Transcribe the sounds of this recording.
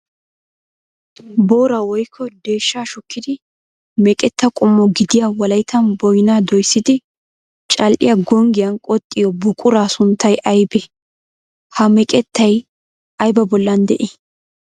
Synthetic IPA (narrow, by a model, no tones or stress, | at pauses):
bo̞ːɾɐwɔjkʰːɔd̪e̞ːʃːaːʃʊkːɪd̪ɪ | mɛkʼɛt̪ːɐkʼʊmːɔɡɪd̪ɪjawɐlɐjɪt̪ʰːɐnbɔjnaːd̪ɔjsːɪd̪ɪ | t͡ʃʼɐlʔɪ̰jaɡɔŋɡɪjɐnkʼɔt̪ʼːɪjɔbʊkʼʊɾaːsʊnt̪ːɐjɐjbɛ | hɐmɛkʼɛt̪ːɐj | ʔɐjbɐbɔlːɐnd̪ɛʔɛ